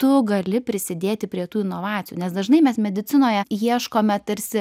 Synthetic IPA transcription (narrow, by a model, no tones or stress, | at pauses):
t̪ʊɡɐlʲɪpʲɾʲɪsʲɪd̪ʲeːt̪ʲɪpʲɾʲiɛt̪uːɪnoːʋɑːt͡s̪ʲɪjuːnʲɛsd̪ɐʒnɐɪmʲɛsmʲɛd̪ʲɪtt͡sʲɪnoːjɛjiɛʃkoːmʲɛt̪ɐɾʲsʲɪ